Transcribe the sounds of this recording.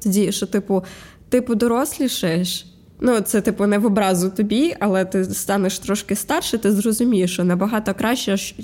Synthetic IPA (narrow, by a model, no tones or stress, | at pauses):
t̪ɔdʲiʃɔt̪ɪpʊt̪ɪpʊd̪ɔɾɔslʲiʃɛʃ | nut̪sɛt̪ɪpʊnɛʋɔbɾɑzʊt̪ɔbʲiʔɐlˠɛt̪ɪst̪ɑnɛʃt̪ɾɔʃkɪst̪ɑrʃɛt̪ɪzrɔzʊmʲijeʃɔnɐbɐɦɑt̪ɔkɾɑʃt͡ʃɛʃ